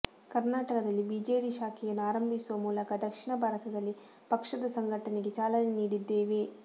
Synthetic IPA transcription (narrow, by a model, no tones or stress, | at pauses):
kɐɾnaːʈɐkɐd̪ɐlːibid͡ʒeːɽiʃaːkʰijɐnːuaːɾɐmbʱisuʋɐmuːlɐkɐd̪ɐkʂiɳɐbʱaːɾɐt̪ʰɐd̪ɐlːi | pɐkʂɐd̪ɐsɐŋɡʱɐʈɐneɡet͡ʃaːlɐneniːɽid̪ːe̞ːʋe